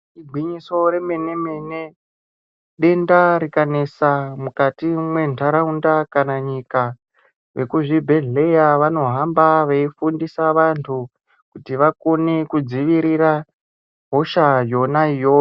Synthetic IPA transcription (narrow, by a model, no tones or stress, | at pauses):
iɡʱwiɲiso̞ɾe̞me̞ne̞mene̞ | ɗe̞ndaɾikane̞samukatimwe̞ntʰaɾaundakanaɲika | ʋe̞kuʐibʱe̞ɮe̞jaʋano̞ɦambaʋaifundisaʋantʰu | kutiʋako̞ne̞kud͡ziʋiɾiɾa | ɦo̞ʃajo̞naijoo